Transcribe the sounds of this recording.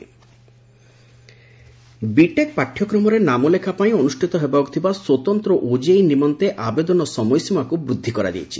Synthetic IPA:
biʈek̚paʈʰːjɔkɾɔmɔɾenamolekʰapaĩonusʈʰit̪ɔɦebaokt̪ʰibaswot̪ɔnt̪ɾoʔod͡ʒejnimɔnt̪eʔabed̪ɔnɔsɔmɔjsimakubɾud̪ʱːikɔɾa̰d̪ḭjet͡ʃʰi̥

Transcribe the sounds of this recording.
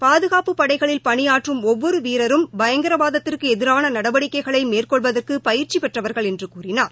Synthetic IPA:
paːðɯɣaːpɯpːɐɽɐɪɣɐɭɪlpɐɳɪjaːʈrɯmɔʋːɔɾɯʋiːɾɐɾɯmbɐjɐŋɡɐɾɐʋaːðɐt̪ːɪrkɯɛðɪɾaːnɐnɐɽɐʋɐɽɪkːɐɪɣɐɭɐɪmeːrkɔɭʋɐðɐrkɯpɐjɪɾt͡ʃipɛʈrɐʋɐɾɣɐɭɛndrɯkuːrɪnaːɾ

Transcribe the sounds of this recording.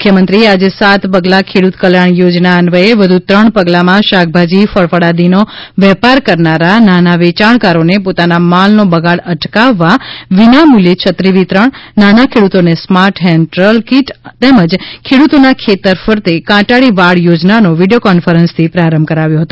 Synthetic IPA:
mʊkʰjəmənt̪ɾiead͡ʒesat̪pəɡlakʰeɽut̪kəljaɳ̃jod͡ʒnaənʋəeʋəd̪ʱut̪ɾəɳpəɡlamãʃak̚ʰbʱad͡ʒifəɽfəɽad̪inoʋɛpaɾkəɾnaɾananaʋet͡ʃaɳkaɾonepot̪anamalnobəɡaɽəʈkaʋːaʋinamulet͡ʃʰət̪ɾiʋit̪ɾəɳnanakʰeɽut̪onesmaɾʈɦɛnʈɾəlkiʈt̪eməd͡ʒkʰeɽut̪onakʰet̪əɾfəɾt̪ekãʈaɭiʋaɽjod͡ʒnanoʋiɖijokɔnfəɾənst̪ʰipɾaɾəmbʱkəɾaʋjõɦət̪o

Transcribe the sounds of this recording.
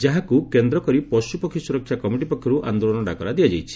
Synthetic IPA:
d͡ʒaɦakukend̪ɾɔkɔɾipɔsupɔkʰːɔsuɾɔkʰːjakɔmiʈipɔkʰːjɔɾuʔa̰nd̪olɔnɔɖa̰kɔɾad̪iad͡ʒajt͡ʃʰi̥

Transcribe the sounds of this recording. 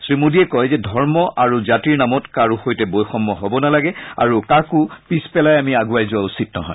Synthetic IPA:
sɹimudiɛkɔjzɛdʱɔɹmɔʔaɹuzatiɹnamɔtkaɹuxojtɛbojxɔmːɔɦɔbɔnalaɡɛa̰ɹukakʊpispɛlajamiaɡuajzʊausit̚nɔ̰ɦɔ̰ɪ

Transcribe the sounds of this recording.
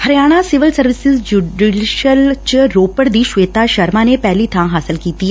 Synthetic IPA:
həɾijaːɽ̃asɪʋɪlsəɾʋɪsɪzd͡ʒuɖɪɖɪʃəlt͡ʃɾoːpəɽd̪iʃʋeːt̪aʃəɾmãnepɛːlit̪ʰãːɦaːsɪlkiːt̪i

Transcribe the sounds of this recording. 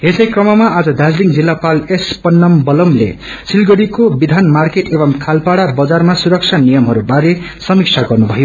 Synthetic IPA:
ɦesʌjkrʌmʌmaad͡zʌd̪ad͡zliŋd͡zilːapalespʌnːʌmbʌlʌmlḛ | silɡʌɽikobid̪ʱanmarkeʈebʌŋkʰalpaɽabʌd͡zarmasuɾʌk̚t͡ʃʰanijʌmɦʌɾubaɾe | sʌmik̚t͡ʃʰaɡʌrnubʱʌjo

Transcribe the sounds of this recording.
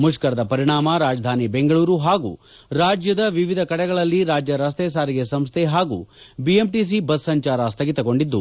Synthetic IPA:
muʃkɐɾɐd̪ɐpɐɾiɳaːmɐɾaːd͡ʒɐd̪ʱaːnibeŋɡɐɭuːɾuɦaːɡṵː | ɾaːd͡ʒjɐd̪ɐʋiʋid̪ʱɐkɐɽɛɡɐɭɐlːiɾaːd͡ʒjɐɾɐs̬t̪eːs̬aːɾiɡe̞sɐmst̪ʰeɦaːɡṵːbiemʈiːs̬ibɐsːɐɲt͡ʃaːɾast̪ʰɐɡit̪ɐɡo̞ɳɖid̪ːu

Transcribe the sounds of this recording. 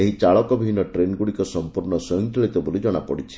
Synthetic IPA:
eɦit͡ʃaɭɔkɔbʱiinɔʈɾenɡuɽikɔsɔmpuɾɳɔsɔɔŋkʰeɭit̪ɔbolid͡ʒɔɽ̃apɔɽit͡ʃʰi̥

